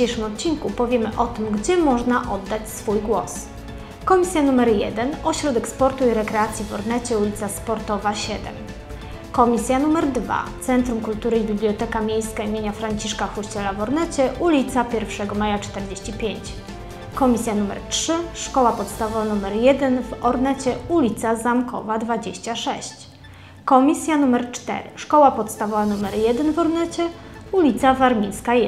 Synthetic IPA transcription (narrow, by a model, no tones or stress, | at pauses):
ejʂɘmɔt̪̚t͡ɕinkupɔvʲjɛmɘʔɔt̪ɘmɡd͡ʑɛmɔʐnaʔɔd̪ːat͡ɕsfujɡwɔs | kɔmʲisʲjanumɛɾjɛ̰d̪ɛnɔɕɾɔd̪ɛkspɔɾt̪uiɾɛkɾɛat̪sʲjivɔɾnɛt͡ɕɛulʲit̪saspɔɾt̪ɔvaɕɛd̪ɛ̰m | kɔmʲisʲjanumɛɾd̪va̰t̪sɛnt̪ɾumkult̪uɾɘibʲiblʲjɔt̪ɛkamʲjejskaimʲeɲafɾaɲt͡ɕiʂkafuɕt͡ɕɛlavɔɾnɛt͡ɕɛʔulʲit̪sapʲjɛɾfʂɛɡɔmajat͡ʂt̪ɛɾd͡ʑeɕt͡ɕipʲjeɲt͡ɕ | kɔmʲisʲjanumɛ̰ɾtʂɘʂkɔwapɔt̪st̪avɔvanumɛɾjɛd̪ɛnvɔɾnɛt͡ɕɛulʲit̪sazamkʰɔ̰vad̪vad͡ʑeɕt͡ɕaʂɛɕt͡ɕ | kɔmʲisʲjanumɛɾt͡ʂt̪ɛ̰ɾɘ̰ʂkɔwapɔt̪st̪avɔvanumɛɾjɛd̪ɛnvɔɾnɛt͡ɕɛ | ulʲit̪savaɾmʲinska